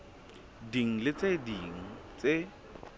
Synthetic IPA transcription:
diŋ̩lɪt͡sʼediŋ̩t͡sʼe

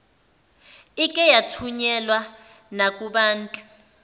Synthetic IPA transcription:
ikʼɛjatʰuɲɛlwa | nak̬ʼuɓaːnt͡ɬʼu̥

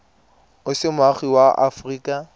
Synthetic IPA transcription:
ʊsɪmʊaχiwaʔa̰friːkʼa

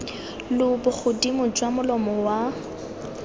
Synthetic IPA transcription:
lʊbʊk͡xʰʊdimʊt͡ʃʼwamʊlɔmɔwa

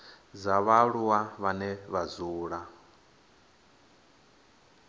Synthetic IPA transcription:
d͡zaβaɺuwaβanɛβazuːɺa

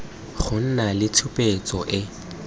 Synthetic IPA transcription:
χʊn̩nalɪtʰupʼet͡sʼɔʔɪ

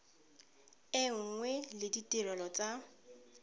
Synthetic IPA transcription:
ɪŋ̩ŋwɛlɪditʼɪrɛlɔt͡sʼa

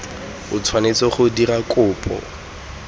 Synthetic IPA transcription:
ʊt͡sʰwanet͡sɔχʊdirakʼʊːpʼɔ̰

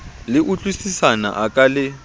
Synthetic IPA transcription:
lɪʔʊt͡ɬʼisisana̰ʔakʼalɪ

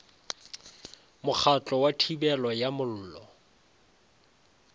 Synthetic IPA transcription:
mʊk͡xʰat͡ɬʼɔwatʰibɛlɔjamʊl̩ːlɔ̰

